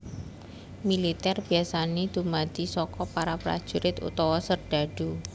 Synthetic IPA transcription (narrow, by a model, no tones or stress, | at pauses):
milit̪ɛrb̥i̤asaned̪̥ṳmad̪̥isɔkɔpaɾapɾa̰d̥ʒ̥ṳɾɪt̪ṵt̪ɔwɔsərɖ̪̥a̤ɖ̥u